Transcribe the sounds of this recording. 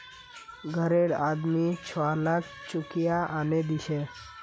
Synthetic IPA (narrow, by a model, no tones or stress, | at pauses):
ɡʱəɾeɽad̪mit͡ʃʰalak̚ʰt͡ʃʊkijaʔaned̪iʃe